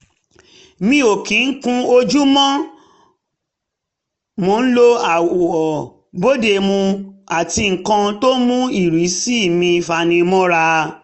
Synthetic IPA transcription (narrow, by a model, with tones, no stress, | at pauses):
mĩ˧˦o˨kĩ˨˦n̩˦kũ˦o˧d͡ʒu˦mɔ̃˦ | mo˨˦n̩˦lo˦a˨wɔ˨ | bo˦de˧mũ˧a˨ti˧ŋ̩˨kã˧to˦mũ˦i˦˨ɾi˨˦si˦˨mĩ˧˨fa˨˧nĩ˧mɔ̃˦ɾa˧